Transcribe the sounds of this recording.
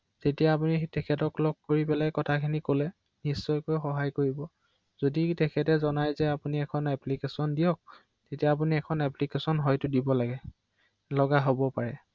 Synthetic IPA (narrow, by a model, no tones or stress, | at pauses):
tetijapunitɛkʰɛtɔklɔɡ̚koɹipɛlajkɔtʰakʰinikolɛ | nisːɔjkojxɔɦajkoɹibɔ | zoditɛkʰɛtɛzɔnajzɛapuniɛkʰɔnɛplikesɔndijɔk̚ | tetijaːp̬uniɛkʰɔnɛplikesɔnɦɔjtʊdibɔlaɡɛ | lɔɡaɦobɔpaɹɛ